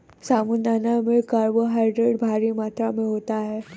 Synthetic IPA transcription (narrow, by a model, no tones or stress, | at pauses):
samunːanameɭkaɾbəɦajɖɾeɽbʱaɾimat̪ɾameɦot̪aɦe